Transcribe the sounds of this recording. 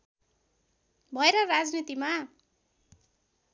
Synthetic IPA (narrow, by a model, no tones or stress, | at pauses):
bʱʌeɾʌrad͡znit̪ima